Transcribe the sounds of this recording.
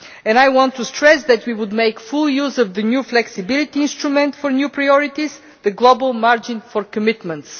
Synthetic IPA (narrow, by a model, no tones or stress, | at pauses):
ɛ̃najwɔ̃nt̪ːustɹɛsðɛt̪wiwʊd̪meɪkfʊlˠjuzɔvðənjuflɛksɪbɪlit̪iɪ̃nst̪ɾumɛ̃nt̪fɔɾnjupɹajɔɹit̪iz | ðəɡlˠobəlˠmaɹd͡ʒɪ̃nfɔɾkəmɪt̪mə̃nt̪s